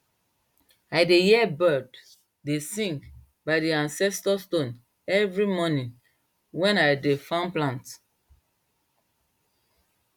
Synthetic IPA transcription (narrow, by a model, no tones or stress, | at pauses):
ajdejɛɛbɜd | desĩŋk | baɪdiãnsɛstɔstõn | ɛvɹimɔnĩn | wɛ̃najdefãnplãnt